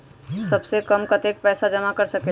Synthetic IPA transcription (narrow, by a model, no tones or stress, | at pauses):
səbsekəmkət̪ek̚pɛːsad͡ʒəmakəɾsəke